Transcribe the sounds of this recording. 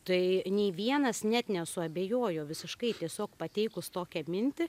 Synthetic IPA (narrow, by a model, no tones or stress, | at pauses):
t̪ɐɪnʲeɪʋʲiɛnɐsnʲɛt̪nʲɛsʊɐbʲeːjoːjoːʋʲɪsʲɪʃkɐɪt̪ʲiɛsʲoːkpɐt̪ʲɛɪkʊst̪oːkʲɛmʲɪnʲt̪ʲɪ